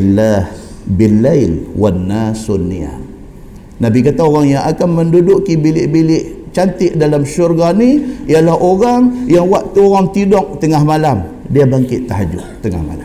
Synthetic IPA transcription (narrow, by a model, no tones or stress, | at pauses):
lahbɪlːalwanːasunːia̰ | nabikat̪aoɣaŋjaŋakanməndudʊʔkibilɪʔbilɪʔ | t͡ʃant̪ɪʔdalamʃurɡaniijalaɦoɣaŋjaŋwaʔt̪uoɣaŋt̪idɔk̚t̪əŋahmalam | diabaŋkɪʔt̪ːaɦad͡ʒʊ̰ʔt̪əŋa̰hma̰la